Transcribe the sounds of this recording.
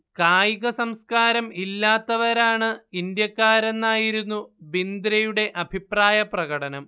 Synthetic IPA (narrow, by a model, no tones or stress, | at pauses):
kaːjiɣɐsɐmskaːɾɐmilːaːt̪ːɐʋɐɾaːɳɨind̪jɐkːaːɾe̞nːaːjiɾunːubind̪ɾɐjuɽe̞ʔɐbʱipraːjɐprɐɣɐɽɐnɐm